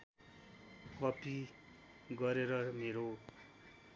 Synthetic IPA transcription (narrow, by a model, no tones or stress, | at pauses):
kʌpi | ɡʌɾeɾʌmeɾo